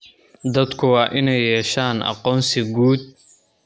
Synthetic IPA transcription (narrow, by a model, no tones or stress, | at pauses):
d̪ɐd̪kʰʊwɑːʔɪnɛjːɛːʃaːnʔɑ̰qɔːnsɪɡuːd̪̚